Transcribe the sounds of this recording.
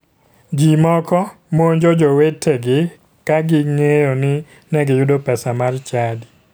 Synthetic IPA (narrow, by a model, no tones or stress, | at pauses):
d͡ʒimɔkɔ | moɲd͡ʒod͡ʒowetʰeɡɪ | kaɡɪŋejonɪ | nɛɡɪjʊdopɛsamart͡ʃadi